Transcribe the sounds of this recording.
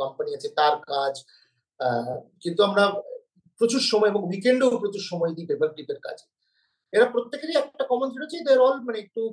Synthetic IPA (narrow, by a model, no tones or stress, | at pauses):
kɔmpaniat͡ɕʰet̪aɾkad͡ʑ | kint̪uamɾa | pɾot͡ɕuɾʃɔmɔeeboŋwikeɳɖewpɾot͡ɕuɾʃɔmɔed̪it̪ebek̚ɖit̪eɾka̰t͡ɕʰe̥ | eɾapɾot̪ːekeɾiɛk̚ʈakɔmont̪ʰiɾot͡ɕʰed̪eɾɔlmaneek̚ʈu